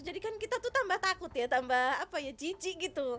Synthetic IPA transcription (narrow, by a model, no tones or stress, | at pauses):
d͡ʒadikankit̪at̪ut̪ambaht̪akʊt̪jat̪ambahapajad͡ʒid͡ʒiɡit̪u